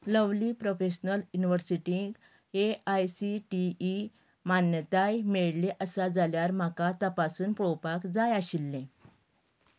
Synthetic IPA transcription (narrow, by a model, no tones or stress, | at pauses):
ləʋliːpɾofeɕnəljuniʋəɾsiʈĩŋɡ | eajsiʈiː | manjət̪ajmeɭlẽʔəsad͡zaljaɾm̤akat̪əpasuːnpɭowpakd͡zajaɕilːẽ